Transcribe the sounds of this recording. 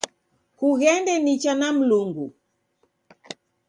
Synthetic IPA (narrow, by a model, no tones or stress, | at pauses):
huɣɛndɛnit͡ʃanam̩luŋɡṵ